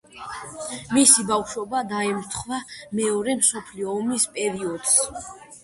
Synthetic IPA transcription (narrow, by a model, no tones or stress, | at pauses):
misibafʃɔbad̪aɛmɾt̪ʰχvamɛɔɾɛmsɔpʰliɔːmispʼɛɾiɔd̪̥s